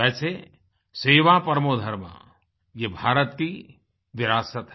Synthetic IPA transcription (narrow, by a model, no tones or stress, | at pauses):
ɛːse | seːʋapɐɾmoːd̪ʱəɾmã̰ | jebʱaːɾət̪̚ki | ʋɪɾaːsət̪ɦ